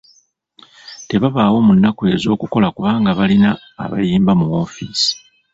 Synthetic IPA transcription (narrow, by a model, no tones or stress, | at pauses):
te̞βaβawo̞munːakue̞zo̞ːkuko̞lakuβaːŋɡaβalina̰ː | βa̰jiːmbamuwo̞ːfiːsi̥